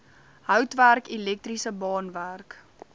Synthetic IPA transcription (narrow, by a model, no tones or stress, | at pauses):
ɦœwtværkilɛk̚trisəbɑːnværk